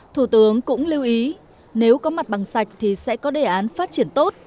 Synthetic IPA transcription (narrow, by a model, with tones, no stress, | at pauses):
t̪ʰu˧˩t̪ɨ˨˦əŋkʊ̰˧˥ŋ͡mli˧wʔi˨˦ | ne˨˦wkɔ˨˦ma˨˩t̚ɓa˨˩ŋsa˨˩jk̟̚t̪ʰi˨˩sɛ̰˧˥kɔ˨˦ɗe˨˩ʔaː˨˦nfaː˦˥t̚t͡ɕi˧˩ənt̪o˦˥t̚